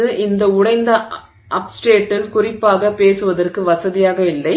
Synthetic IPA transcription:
ɯʔɪnd̪ɐʊɽɐɪnd̪ɐ | ʔɐpsʈeːʈːɪlkʊrɪpːaːɣɐpeːsɯʋɐðɐrkɯʋɐsɐðɪjaːɣɐɪlːɐɪ

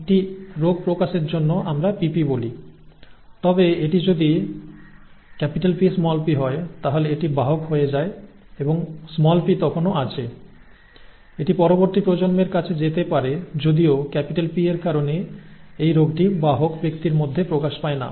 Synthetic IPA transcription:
ek̚ʈiɾoɡ̚pɾokaʃeɾd͡ʑonːoʔamɾapipiboli | t̪ɔbeeʈid͡ʑod̪i | kɛpiʈalpismɔlpiɦɔet̪aɦoleeʈibaɦokɦoed͡ʑae | eboŋsmɔlpit̪ɔkʰonoat͡ɕʰe | eʈipɔɾoboɾt̪ipɾod͡ʑonmeɾkat͡ɕʰed͡ʑet̪epaɾed͡ʑod̪iokɛpiʈalpieɾkaɾoneejɾoɡʈibaɦokbekt̪iɾmod̪ʱːepɾokaʃpaena̰

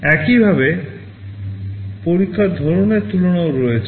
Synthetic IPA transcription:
ɛkibʱabe | poɾikʰːad̪ʱɔɾoneɾt̪uloɽ̃aoɾɔet͡ɕʰ

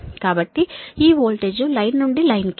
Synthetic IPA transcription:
kaːbɐʈːiiːʋoːlʈeːd͡ʒulɐjnnuɳɖilɐjnk

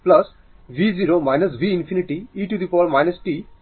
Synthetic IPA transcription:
plɐs | ʋid͡ziɾomajnəs̬ʋiːnfiniʈiiʈud̪ipɔɾmajnəsʈi

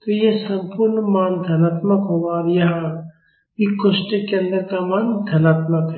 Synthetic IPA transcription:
t̪ojesɐ̃mpuɾnmaːnd̪ʱɐnaːt̪məkɦoʋaːɾjɐɦã | ikoʃʈekeɐ̃nd̪əɾkamaːnd̪ʱɐnaːt̪məkɦɛ

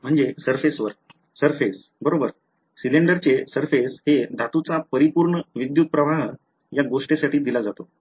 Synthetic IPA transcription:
m̤əɳd͡zesəɾfesʋəɾ | səɾfes | bəɾobəɾ | sileɳɖəɾt͡sesəɾfeshed̪ʱat̪ut͡sapəɾipuːɾɳəʋid̪jut̪̚pɾəʋaɦ | jaɡoʂʈesaʈʰiːd̪ilad͡zat̪o

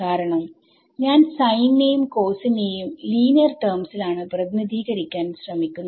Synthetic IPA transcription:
kaːɾɐɳɐm | ɲaːnsɐjnːejumko̞ːsinejumliːnɐrʈɐːrmsilaːɳɨprɐðiniðʱiːɣɐɾikʲːaːnɕrɐmikʲːunːɐ

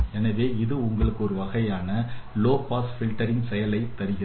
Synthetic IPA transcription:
ɛnɐʋeːɪðɯʊŋɡɐɭɯkːɯɔɾɯʋɐɣɐjaːnɐloːpaːsfɪlʈɐɾɪŋsɛjɐlɐɪt̪ːɐɾɪɣɪɾ

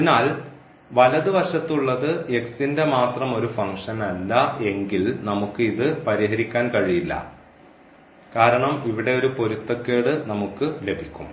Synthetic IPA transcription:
ɐðinaːl | ʋɐlɐðɨʋɐrʂɐt̪ːuɭːɐðɨeksinde̞maːt̪rɐmo̞ɾufɐŋʂɐnɐlːɐe̞ŋɡilnɐmukːɨiðɨpɐɾiɦɐɾikʲːaːnkɐɻijilːɐ̰ | kaːɾɐɳɐmiʋiɽe̞o̞ɾupo̞ɾut̪ːɐkːeːɽɨnɐmukːɨle̞bʱikʲːum

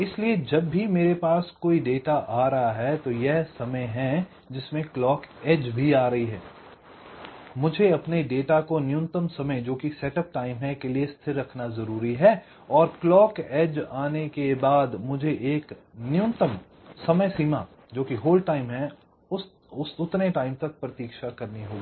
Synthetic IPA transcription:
ɪslied͡ʒɐbːimeːɾepaːskoːiɖeːʈaʔaːɾɐɦaɦɛt̪ojɛɦsɐməjɦɛ̃ | d͡ʒɪsmẽklɔːkɛːd͡ʒbʱiaːɾɐɦiɦɛ̰ː | mʊd͡ʒʱeɐpneɖeːʈakonɪjʊ̃nt̪əmsɐməjd͡ʒoːkisɛːʈəp̚ʈaːɪmɦɛ̃keliest̪ʰɪɾːɐkʰnazɐɾuːɾiɦɛ | ɔːɾklɔːkɛːd͡ʒaːnekebaːd̪mʊd͡ʒʱeʔeːknɪjʊ̃nt̪əm | sɐməjsiːma | d͡ʒoːkiɦoːlʈaːɪmɦɛ̃ | ʊs | ʊsʊt̪neʈaːɪmt̪ɐk̚pɾɐt̪iːkʃakɐɾniɦoːɡiː

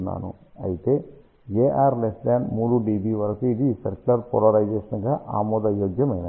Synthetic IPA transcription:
nːa̰ːnṵ | ɐjit̪ːe | eːʔaːɾleslaːnmuːɽuɖiːbiʋɐɾɐkːuiðisɛɾklɐɾpɔlɐɾɐjd͡ʒeːʂɐnɡɐʔa̰ːmoːd̪ɐjoːɡjɐmɐjnɐ

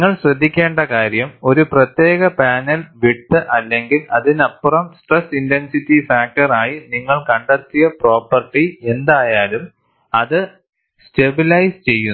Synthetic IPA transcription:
ŋːɐɭɕrɐd̪ʱːikʲːe̞ːɳɖɐkaːɾjɐmo̞ɾuprɐt̪je̞ːɣɐpaːnɐlʋiʈ̪ːɨʔɐlːe̞ŋɡilɐðinɐpːurɐmsʈresinte̞nsitːifaːk̚ʈɐraːjiniŋːɐɭkɐɳɖɐt̪ːijɐpro̞ːpːɐrʈie̞nd̪aːjaːlum | ɐðɨ | ste̞bilɐjst͡ɕe̞jːunː

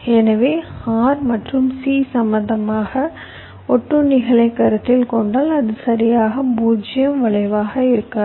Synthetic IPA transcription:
ɛnɐʋeːaːɾmɐʈrɯmsiːsɐmːɐnd̪ɐmaːɣɐ | ɔʈːɯnɪɣɐɭɐɪkːɐɾɐt̪ːɪlkɔɳɖaːlɐðɯsɐɾɪjaːɣɐbuːd͡ʒɐjɐmʋɐɭɐɪʋaːɣɐɪɾɯkːɐ

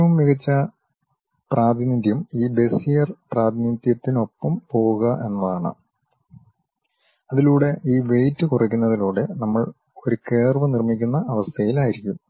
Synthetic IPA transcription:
ʋumːiɣɐt͡ɕːɐ | praːd̪ʱinid̪ʱjɐmiːbe̞sijɐrpraːd̪ʱinid̪jɐt̪ːino̞pːɐmpo̞ːɣuɣɐʔe̞nːɐðaːɳɨ̰ | ɐðiluːɽe̞ʔiːʋe̞jtːɨkurɐkʲːunːɐðiluːɽe̞nɐmːɐɭ | o̞ɾuke̞ːrʋɐnirmikʲːunːɐʔɐʋɐst̪ʰɐjilaːjiɾikʲːum

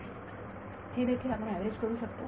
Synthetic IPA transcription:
hed̪ekʰilapəɾ̃æʋeɾed͡ʑkəɾuːʃəkt̪o

